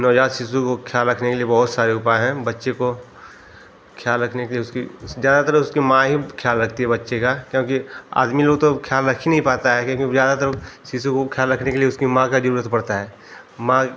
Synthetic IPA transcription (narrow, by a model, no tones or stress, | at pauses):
nɔːd͡ʒaːt̪sisukokʰjaːlɾɐkʰnekeliebɐɦʊt̪saːɾeʊpaɦɛ̃bɐtːʃeko | kʰjaːlɾɐkʰnekelieʊskizjaːd̪at̪əɾəfʊskimãɦikʰjaːlːɾɐkʰt̪iɦɛbɐtːʃekakjõːkia̰ːd̪miloːɡt̪okʰjaːlɾɐkʰinɐɦĩpaːt̪aɦɛkjõːkoizjaːd̪at̪əɾəsisukokʰjaːlɾɐkʰnekelieʊskimãkad͡ʒɐɾuːɾət̪pɐɽt̪aɦɛː | mã